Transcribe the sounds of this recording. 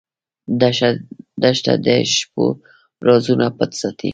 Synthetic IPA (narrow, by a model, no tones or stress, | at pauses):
d̪ | d̪aʃt̪a̰d̪eʃpo̰ | ɾozunapət̪sat̪ʰi